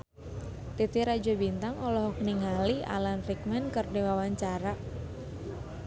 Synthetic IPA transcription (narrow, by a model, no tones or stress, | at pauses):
t̪it̪iɾad͡ʒɔbint̪aŋɔlɔɦɔk̚niŋalia̰lanfik̚mɛnkɨrdiwawaɲt͡ʃaɾa